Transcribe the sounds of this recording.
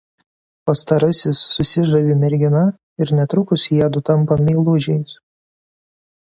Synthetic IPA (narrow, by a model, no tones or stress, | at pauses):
pɐst̪ɐɾɐsʲɪsːʊsʲɪʒɐʋʲiːmʲɛɾʲɡʲɪnɐ | ɪɾnʲɛt̪ɾʊkʊsjiɛd̪ʊt̪ɐmˑpɐmʲiːlˠʊʒʲɛɪs